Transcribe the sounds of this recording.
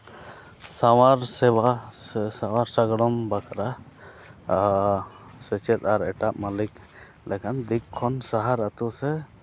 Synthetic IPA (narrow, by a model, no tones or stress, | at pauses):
sawaɾsɛwaɛsawaɾsaɡɽɔmbakʰaɾa | sɛt͡ʃɛt̪aɾɛʈaʔmalik | lɛkʰand̪ikkʰːɔnsaɦaɾat̪usɛ